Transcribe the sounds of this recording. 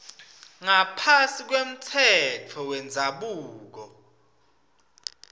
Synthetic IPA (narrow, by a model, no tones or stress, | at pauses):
ŋapʰasik̬wem̩tʰɛt͡fʰɔwɛnd͡zʱaɓuːk̬ɔ